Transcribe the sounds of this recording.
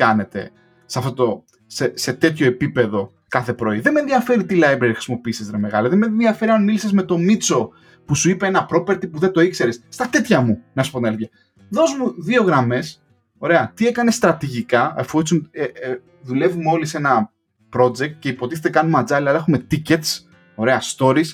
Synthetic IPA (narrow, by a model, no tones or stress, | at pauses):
kɐne̞t̪e̞̰ | sɐft̪ot̪o̞ | sese̞t̪e̞t̪ço̞epipe̞ðo̞ | kɐθe̞pɾo̞iðeme̞nðiɐfe̞ɾit̪ilɐjbɾeɾixɾisimo̞piːsizt̪ɾeme̞ɣɐliðemenðiɐfe̞ɾiɐnmilisezme̞t̪o̞mit͡so̞ | pusuipeenɐpɾo̞pe̞ɾt̪ipuðet̪o̞ikse̞ɾesːt̪ɐt̪e̞t̪çɐmunɐsu̥ponɐljɐ | ðo̞zmuðio̞ɣɾɐme̞s | o̞ɾe̞ɐt̪ie̞kɐnest̪ɾɐt̪iʝikɐɐfusune | ðule̞vumeo̞lise̞nɐ | pɾo̞d͡ze̞k̚t̪̚ce̞ipo̞t̪iθet̪ekɐnumɐd͡zɐliɐlɐe̞xume̞t̪ice̞t̪s | o̞ɾe̞ɐst̪o̞ɾis